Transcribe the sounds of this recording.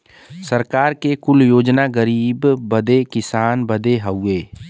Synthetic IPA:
səɾkaːɾkekʊljoːd͡ʒnaɡəɾiːbːəd̪ekɪsaːnbəd̪eɦəweː

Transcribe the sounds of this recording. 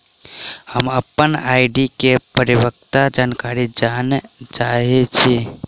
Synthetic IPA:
həməpːənaɪɖikepəɾiwək̚t̪ad͡ʒankaɾid͡ʒanet͡ʃaɦet͡ʃʰi

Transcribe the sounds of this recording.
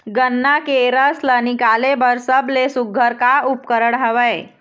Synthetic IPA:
ɡənːakeɾəslənikalebəɾsəblesuɡʱəɾkaupkəɾəɽɦəʋəj

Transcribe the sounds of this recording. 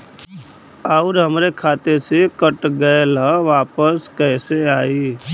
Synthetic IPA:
əʊɾɦəmɾekʰaːt̪esekəʈɡəelaʋaːpəskɛːseaːiː

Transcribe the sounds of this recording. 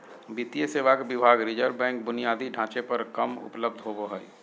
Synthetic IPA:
bit̪ijəseːʋakbɪbʱaːɡɾɪd͡ʒəɾbɛ̃ːŋk̚bʊnijaːd̪ʱiɖʱãːt͡ʃepɐɾkɐmʊ̰pləb̚d̪ʱɦoboɦəḭ

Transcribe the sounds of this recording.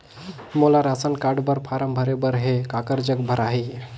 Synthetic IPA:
molaɾasənkaɖbəɾpʰaɾəmbʱəɾebəɾɦekakəɾd͡ʒəɡbʱəɾaɦi

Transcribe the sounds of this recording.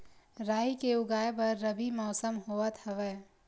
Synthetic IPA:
ɾaːikeʊɡaːebɐɾːəbimɔːsəmɦoət̪həʋɛ

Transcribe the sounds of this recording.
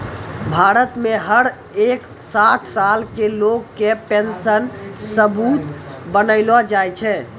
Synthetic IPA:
bʱaɾət̪meɦəɾ | ek | saʈʰsalkelokːepensənsəbut̪bənəɪlɔd͡ʒajt͡ʃʰɛ

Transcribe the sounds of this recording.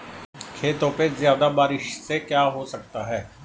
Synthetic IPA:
kʰeːt̪õpezjaːd̪abaːɾɪʃsekjaːɦoːsək̚t̪aːɦɛː

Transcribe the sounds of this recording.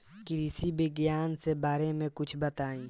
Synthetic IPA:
kiɪsibɪɡjaːnsebaːɾemẽkʊt͡ʃʰbɐt̪aːĩː

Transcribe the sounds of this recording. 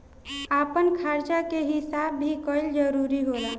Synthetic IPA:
apənkʰaɾt͡ʃakeɦisabːʱikəjld͡ʒəɾuɾiɦola

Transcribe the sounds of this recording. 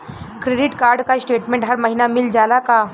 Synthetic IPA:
kɾeɖiʈkaɾɖkajsʈeʈmẽɳʈɦaɾməɦinamild͡ʑalaka

